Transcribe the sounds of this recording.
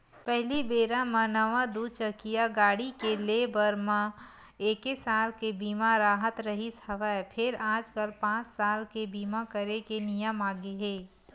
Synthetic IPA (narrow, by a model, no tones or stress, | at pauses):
pɛɦlibeːɾamənɐʋad̪uːd̪t͡ʃəkijaɡaːɽikelebɐɾmã | eːkesaːlkebiːmaɾaːɦət̪ɾɐɦisəʋapʰɪɾaːd͡ʒkəlpãːt͡ʃsaːlkebiːmakəɾekenijəmaːɡeɦeː